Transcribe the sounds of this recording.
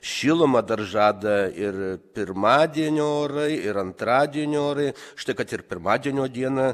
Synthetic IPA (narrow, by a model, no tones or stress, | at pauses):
ʃʲiːlˠomɐd̪ɐrʒɑːd̪ɐɪrpʲɪrmɑːd̪ʲiɛnʲoːoːɾɐɪɪɾɐnt̪ɾɑːd̪ʲiɛnʲɪoːɾɐɪʃt̪ɐɪkɐt̪ɪrpʲɪɾmɑːd̪ʲiɛnʲoːd̪ʲiɛnɐ